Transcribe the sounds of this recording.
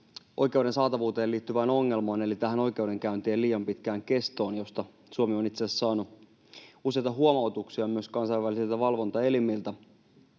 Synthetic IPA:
ʔo̞jke̞uwɾe̞nsɑːt̪ɑʋuːt̪eːliːt̪ːyʋæːno̞ŋːe̞lmɑːne̞lit̪æɦæno̞jk̟e̞uwde̞ŋkæynt̪eːliːjɑmpit̪kæːŋke̞st̪o̞ːnjo̞st̪ɑ | suomionit̪seːsɑːnu | use̞jt̪ɑɦuomɑot̪uksiɑmyøskɑnsɑjʋælisilt̪æʋɑlʋo̞nt̪ɑe̞limilt̪æ

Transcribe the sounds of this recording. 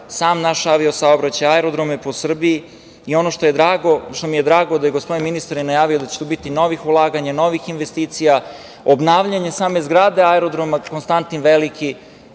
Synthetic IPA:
saːmnaʃaʋiosaobɾat͡ɕajaɛɾod̪ɾomeposr̩biiː | o̞no̞ʃt̪o̞je̞d̪ɾaːɡoʃt̪o̞mije̞d̪ɾaːɡo̞d̪ajeɡospod̪inminist̪aɾjenajaːʋiod̪at͡ɕe̥t̪uːbit̪ino̞ʋixulˠaːɡaɲano̞ʋixinʋest̪iːt̪sija | obnaʋʎaɲesaːme̞zɡɾaːd̪e̞aɛɾo̞d̪ɾomakonst̪ant̪inʋelikʰi

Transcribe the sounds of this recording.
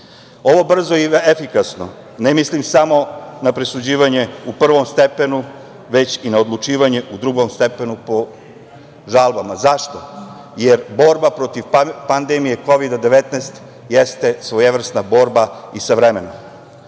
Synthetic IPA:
o̞ʋo̞br̩zoiefikasno̞ | nemislimsamo̞napɾesud͡ʑiːʋaɲe̞upr̩ʋo̞mst̪epe̞nu | ʋe̞t͡ɕinaod̪lˠut͡ʂiːʋaɲe̞ʔud̪ɾuɡo̞mst̪epe̞nupo̞ | ʒalˠbamazaʃt̪o̞ | jeɾbo̞ɾbapɾo̞t̪iʋpand̪emije̞ko̞ʋid̪ad̪eʋet̪nest̪ | jest̪e̞sʋojeʋr̩snabo̞ːɾbaisaʋɾemenom

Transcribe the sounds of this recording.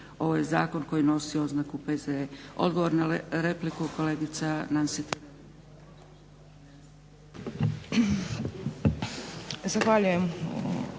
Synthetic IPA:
o̞ʋoje̞zaːko̞nko̞jino̞sio̞znakupezeeo̞̰d̪̚ɡoʋo̞ɾnaɾe̞plikuko̞le̞ːɡit̪sanansit̪ | zaxʋaʎujem

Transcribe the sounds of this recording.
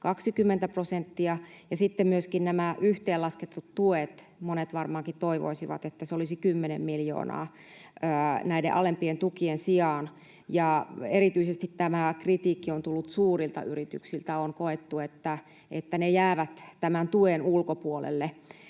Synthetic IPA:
kɑksikymːent̪æprosent̪ːiɑjɑsit̪ːemmyøskinnæmæʔyht̪eːlɑsket̪ːut̪tuet̪monet̪ʋɑrmɑːŋkit̪t̪oiʋo̰isiʋɑ̰t̪et̪ːæseolisikymːenḛmmiljo̰ːnɑ̰ː | əːnæidḛʔɑlempient̪ukiensiɑːn | jɑeɾit̪yisest̪it̪t̪æmækrit̪iːkːiont̪ulːut̪suːrilt̪ɑ̰yrit̪y̰ksilt̪æonkoet̪ːuet̪ːæ | et̪ːænejæːʋæt̪t̪æmænt̪uenulkopuolḛlːe

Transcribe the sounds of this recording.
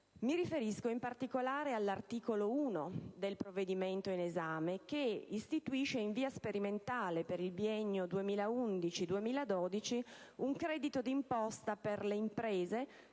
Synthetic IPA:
miɾifeɾiskoimpart̪ikolaːɾealːart̪iːkolouːnod̪elpɾovːed̪iment̪oinezaːmek̟eist̪it̪uiʃeiɱviːaspeɾiment̪aːlepeɾilbiɛɲːod̪uemiːlaund̪it͡ʃid̪uemiːlad̪oːd̪it͡ʃiuŋkɾɛːd̪it̪od̪impɔst̪aperleimpɾeːze

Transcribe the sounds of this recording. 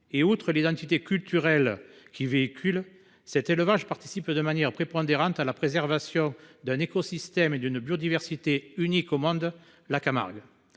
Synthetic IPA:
eut̪χəlid̪ɑ̃t̪it̪ekʲylt̪yʁɛlkʲʰiveikʲʰyl | sɛt̪eləvaʒpaʁt̪i̥sipd̪əmanjɛʁpχepɔ̃nd̪eʁɑ̃nt̪alapχezɛʁvasjɔ̃d̪ɛ̃nekɔsist̪ɛmed̪ynbjod̪ivɛʁsit̪eynikomɔ̃d̪ | lakama̰ʁɡ

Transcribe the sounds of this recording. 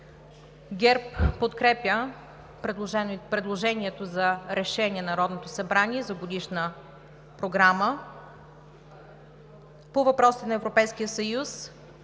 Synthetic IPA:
ɡʲɛɾpːot̪kɾɛpʲjə | pɾɛpɾɛd̪lˠoʒɛniɛt̪ozɐɾɛʃɛnʲiɛnɐɾɔd̪not̪osɐbɾaniɛzɐɡod̪iʃnə | pɾoɡɾamə | povɐpɾɔsi̥t̪ɛnɐɛvɾopɛjskijəsɐjus

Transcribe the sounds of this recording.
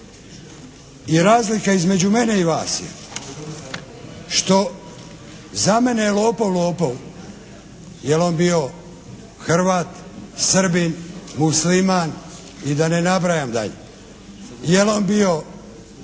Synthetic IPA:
iɾaːzlikaizme̞d͡ʑumene̞iʋaːsjḛ | ʃt̪o̞ | zame̞nejelo̞ːpowloːpow | jelombio | xr̩ʋaːt̪sr̩binmusliman | id̪ane̞nabɾajamd̪a̰ʎḛ | jelombio̞

